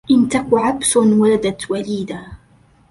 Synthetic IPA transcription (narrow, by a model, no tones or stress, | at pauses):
ʔɪnt̪akʕabsʊnwalad̪at̪waliːd̪aː